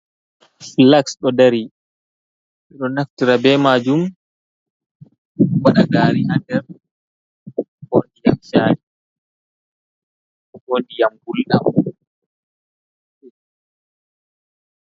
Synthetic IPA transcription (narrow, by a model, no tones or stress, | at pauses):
flaksɗɔdaɾi | ɛɗɔnaftiɾabɛmaːd͡ʒum | waɗaɡaːɾihandɛɾ | hondijamʃaːɾi | honɗijamɡulɗam